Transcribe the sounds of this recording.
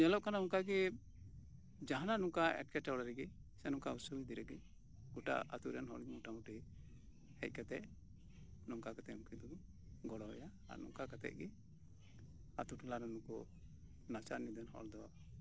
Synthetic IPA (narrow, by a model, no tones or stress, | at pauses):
ɛlɔʔkanauŋkaɡɛ | d͡ʒaɦananuŋkaɛ̰ʈ̚kɛʈawɽaɾɛɡɛsɛnuŋkausubid̪iɾɛɡɛ | ɡ̥uʈa̰ʔa̰t̪uɾɛnɦɔ̰ɾmuʈamuʈi | hɛ̰c̚ˀkat̪ɛʔ | nɔŋkakat̪ɛʔmukid̪ɔ | ɡɔɽɔɛ̰jaa̰nṵŋkakat̪ɛ̰ʔ̚ɡɛ | at̪uʈulaɾɔnukɔ | nat͡ʃaɾnid̪ɛnhɔ̰ɾd̪ɔ